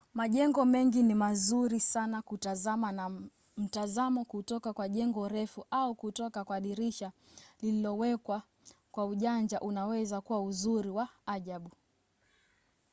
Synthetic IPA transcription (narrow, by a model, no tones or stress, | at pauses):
maʄɛŋɡɔmɛŋɡinimazuɾisanakutazamana | m̩tazamɔkutɔkakwaʄɛŋɡɔɾɛfuʔaukutɔkakwaɗiɾiʃa | lililɔwɛkwa | kwauʄand͡ʒaʔunawɛzakuwauzuɾiwaːʄaɓu